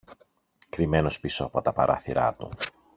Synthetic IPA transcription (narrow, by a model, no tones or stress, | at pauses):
kɾime̞no̞spisoɐpo̞t̪ɐpɐɾʔɐ̰θiɾɐ̰t̪ṵ